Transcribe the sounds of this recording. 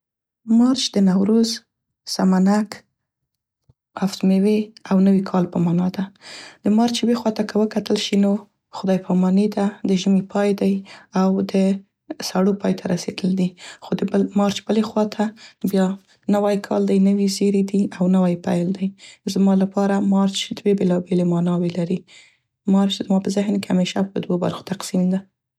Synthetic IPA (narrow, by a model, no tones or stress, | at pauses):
mɑɾt͡ʃd̪ənawɾuz | samanak | aft̪meweawnəwikʰɑlpəmɑnɑd̪ad̪̥əmɑɾt͡ʃbexwɑt̪akəwəkat̪əlʃino | xʊd̪ɑjpʰɑmɑned̪ad̪əʒəmipʰɑjd̪ajawd̪ə | saɽopɑjt̪ʰaɾased̪əld̪ixod̪əəmɑɾt͡ʃbəlexwɑt̪ʰabjɑ | nawajkʰɑ̰ld̪ajnəwizeɾed̪iawnawajpajld̪ajzmɑlapɑɾamɑɾt͡ʃd̪webelɑbelemɑnɑwelaɾi | mɑɾt͡ʃd̪əmɑpəzɪɦnkehameʃapəd̪woba̰ɾxo̥t̪aqsimd̪a